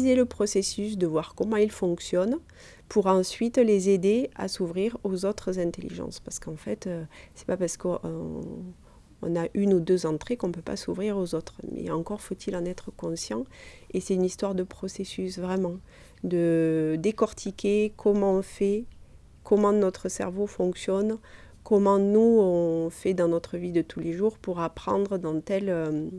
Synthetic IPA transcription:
zeləpχɔsesys̬d̪əvwaʁkɔmɑ̃ilfɔ̃ksjɔn | pʰuʁɑ̃sɥit̪lezed̪ea̰suvʁiʁozot̪χəzɛ̃nt̪elḭʒɑ̰̃spaʁsə̥kɑ̃fɛt̪øsɛ̥papaʁsə̥kɔ | ɔ̰̃naʔynud̪øzɑ̃t̪χekɔ̃pøpa̰suvʁiʁozot̪χmʔɛ̰ɑ̃ŋkɔʁfot̪ʰilɑ̃nɛt̪χəkɔ̃sjɑ̰̃ | esɛt̪ynist̪waʁd̪əpχɔsesysvʁɛmɑ̃ | d̪əd̪ekɔʁt̪ʰikʲekʰɔmɑ̃ɔ̃fɛ | kɔmɑ̃nɔt̪χəsɛ̰ʁvofɔ̃ŋksjɔn | kɔmɑ̃nuɔ̃fɛd̪ɑ̃nɔt̪χəvid̪ət̪ʰuleʒuʁpuʁapχɑ̃d̪ʁəd̪ɑ̃t̪ɛlø

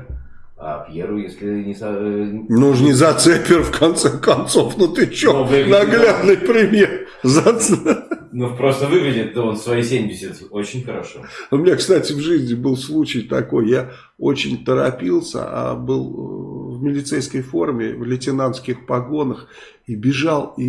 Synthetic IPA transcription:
a̰pʲjeɾʊjesʲlʲɪnʲɪsɐnoʐnʲɪzɐt̪sɛpʲɪrfkʰɐnt̪sɛkɐnt̪so̞fnot̪ɨt͡ɕːonɐɡlʲad̪nɨjpɾʲɪmʲe̞r | zɐt̪snupɾost̪əvɨɡɪdʲɪt̪̚d̪aonsvɐisʲemʲdʲɪsʲɪt̪ot͡ɕɪnʲxəɾɐʂoʊmʲɪnʲakst̪atʲɪvʐɨzʲnʲɪbɨlˠslˠut͡ɕɪjt̪ɐko̞jːa | ot͡ɕɪ̰nʲt̪əɾɐpʲilˠsʲə̰a̰bɨlˠvmʲɪlʲɪt̪sɛjskəjfo̞rmʲɪvlʲɪtʲɪnant̪skʲɪxpɐɡo̞nəx | ibʲɪʐalˠi

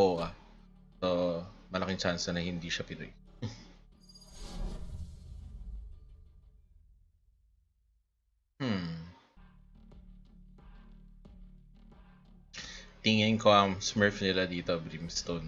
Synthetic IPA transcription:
oʔa | somɐlɐkɪŋt͡ʃansɛnɐhɪnd̪iʃɐpɪnʊ̰j | t̪ɪŋɪnko̞ʔɐŋsmɛɹfnɪlad̪iːt̪obɾimst̪on

